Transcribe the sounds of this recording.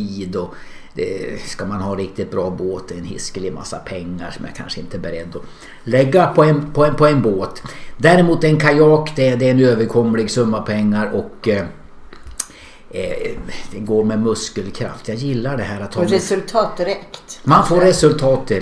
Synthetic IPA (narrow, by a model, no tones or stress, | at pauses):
iːd̪ɔ | d̪ɛ̰skamanhɑːɾɪk̚t̪ɪt̪̚bɾɑːboːt̪d̪ɛɛnhɪ̰skəlɪma̰sːa̰pʰɛŋːa̰ʂɔmja̰kʰa̰nʂəɪnt̪əbɛɾɛd̪ːɔ | lɛɡːapʰɔɛnpʰɔɛpʰɔɛnboːt̪d̪æɾɛmuːt̪ɛɛnkʰajɑːkd̪ɛd̪ɛɛnøːvəɾkʰɔmːəlɪɡsɵmːapʰɛŋːaɾɔk | d̪ɛɡoːɾmɛmɵskəlkʰɾa̰ft̪jɑɡjɪlːaɖɛɦæːɾat̪ʰːɑɛsɵlt̪ʰɑːt̪̚d̪ɪɾɛkt̪manfoːɾɛsɵlt̪ʰɑːt̪̚d̪ɪ